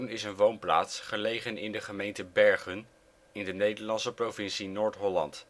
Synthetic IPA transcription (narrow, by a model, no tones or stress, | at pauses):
nɪsənʋownpla̰ːtsχəlejχənɪndəχəmejntəbɛɹχən | ɪndənejdəɹlɑnsəprowvɪnsinoːɹtɦɔlɑ̰nt